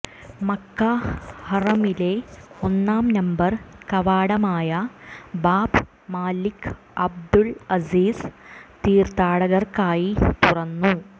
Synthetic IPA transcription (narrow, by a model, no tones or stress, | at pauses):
mɐkːahɐrɐmile̞onːaːmnɐmbɐrkɐʋaːɽɐmaːjɐbaːb | maːlikː | ɐb̚d̪uɭɐziːst̪iːrt̪aːɽɐɣɐrkaːjit̪urɐnːu